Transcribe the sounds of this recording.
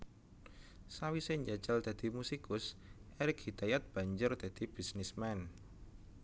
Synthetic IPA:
sawiseɲd͡ʒḁd͡ʒald̪̥a̤d̪̥i̤musikʊsʔɛɾɪk̚hid̪̥ajat̪̚b̥a̤ɲd͡ʒʊrd̪̥a̤d̪̥i̤b̥isnismɛn

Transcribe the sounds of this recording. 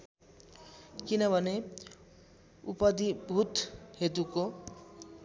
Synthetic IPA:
kinʌbʱʌne | upʌd̪ibʱut̪ɦet̪uko

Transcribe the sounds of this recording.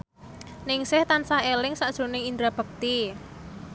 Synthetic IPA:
nɪŋsɪht̪ansahelɪŋsaʔd̥ʒ̥o̤nɪŋind̪ɾab̥ə̤k̚t̪i

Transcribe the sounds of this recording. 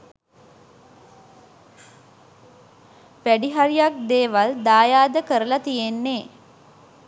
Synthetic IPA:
ʋæɖiɦaɾijak̚d̪eːʋald̪aːjaːd̪əkəɾəlat̪ijenːeː

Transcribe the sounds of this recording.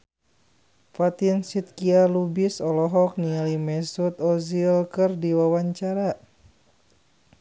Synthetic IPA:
fat̪insit̪̚kialubisɔlɔɦɔk̚nialimɛsut̪ɔzilkɨrdiwawaɲt͡ʃaɾa

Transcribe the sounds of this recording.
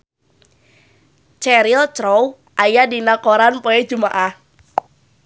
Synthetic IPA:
t͡ʃɛɾilt͡ʃɾɔw | ʔajadinakoɾanpoɛd͡ʒumaʔah

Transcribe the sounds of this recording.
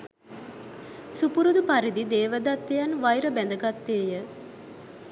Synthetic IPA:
supuɾud̪upaɾid̪id̪eːʋəd̪at̪ːejanʋajɾəbɛnd̪əɡat̪ːeːjə

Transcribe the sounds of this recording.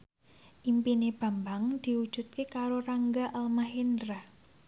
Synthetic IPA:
ʔimpineb̥a̤mbaŋd̪̥i̤wud̥ʒ̥ṳt̪̚kekaɾoraŋɡaʔalmaɦind̪ɾa

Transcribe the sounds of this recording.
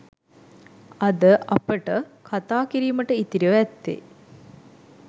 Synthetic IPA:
ɐd̪əʔɐpəʈəkʰat̪aːkiɾiːməʈəit̪iɾiəʋɛt̪ːḛ

